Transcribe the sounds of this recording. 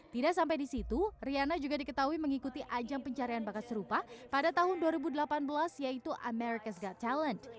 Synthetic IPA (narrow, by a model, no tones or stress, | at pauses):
t̪idaʔsampajdisit̪urianad͡ʒuɡadikət̪aɦuiməŋikut̪iʔad͡ʒaŋpəɲt͡ʃaɾianbakat̪̚səɾupapadat̪aɦʊnduaɾibudəlapanbəlasjait̪uʔa̰mɛɾikasɡat̪ʰːalənt